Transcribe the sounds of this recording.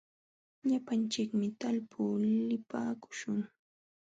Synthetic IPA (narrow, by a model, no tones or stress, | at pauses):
ʎapant͡ʃɪkmɪt̪alpʰuːlɪpaːkʊ̥ʃʊŋ